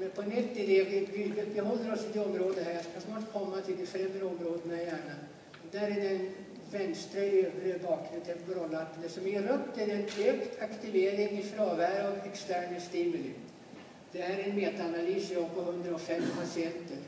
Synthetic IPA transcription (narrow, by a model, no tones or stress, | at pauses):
mɛnpʰɔnɛt̪ːɪd̪eːɡəɡyːbət̪̚bɛɦɔlːəɾɔsɪd̪eɔmɾoːd̪əɦæskasnɔːʈkʰɔmːat̪ʰɪld̪ɪfɾɛmːɾɔmːɾoːd̪ənmɛjæːɳan | ɔd̪æɾɛd̪ɛn | vɛnst̪ɾəøːvɾəbɑːkʰɾɛt̪ʰɛbɾɔlːat̪ːnɛsɔmjɛɾɵpːd̪ɛd̪ɛnd̪ɪɛkt̪ʰakt̪ɪveːɾɪŋɪfɾɑːvæːɾɔvɛkst̪æːɳəst̪iːmʉlɪ̰ | d̪̥ɛhæːɾɛnmeːt̪aanalyːsjɑːɡpɔɦɵnd̪ɾaɔfɛmpʰasɪɛnt̪əɾ